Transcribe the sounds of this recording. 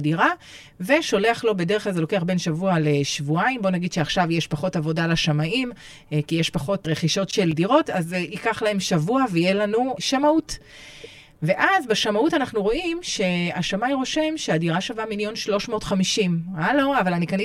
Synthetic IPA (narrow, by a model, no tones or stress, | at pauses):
diʁa | ve̞ʃo̞le̞aχlo̞be̞de̞ʁ̞eχlalzelo̞ke̞aχbe̞nʃavualeʃvuaimbo̞naɡid̪ʃeaχʃavjeʃpaχo̞tavo̞dalaʃamaim | kijeʃpaχo̞tʁeχiʃo̞tʃe̞ldiʁo̞tazikaχlahe̞mʃavuavejelanuʃamaut | ve̞ʔazbeʃamautanaχnuʁo̞ʔimʃe̞aʃamajʁo̞ʃe̞mʃeadiʁaʃavamiljo̞nʃlo̞ʃmo̞ːtχamiʃimalo̞avalanikani